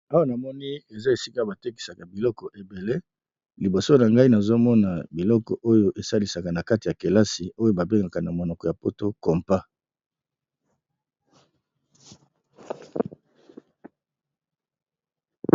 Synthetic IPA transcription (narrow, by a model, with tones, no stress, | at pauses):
a˦wa˦na˨mɔ˦ni˦e˨za˦e˨si˦ka˦ba˨te˦ki̥˨sa˨ka˨bi˨lɔ˦kɔ˨ʔe˨be˨le˦ | li˨bo˨so˦na˨ŋɡa˦i˦na˨zo˦mɔ˦na˨bi˨lɔ˦kɔ˨ʔo˦jo˦ʔe˨sa˦li˨sa˨ka˨na˨ka˦ti˨ja˨ke˨la˦si˨o˦jo˦ba˨be˦ŋɡa˨ka˨na˨mo˨nɔ˨kɔ˨ja˨po˦to˦kɔ˨mpa˦